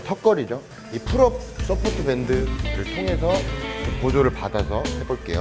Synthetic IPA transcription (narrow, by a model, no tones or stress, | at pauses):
tʰʌk͈ʌɾid͡ʑo | ipʰɯɾʌp̚s͈ʌpʰotʰɯbendɯɾɯɭtʰoŋɦe̞sʰʌpod͡ʑoɾɯɭpadasʰʌhe̞boɭk͈e̞̰jo̰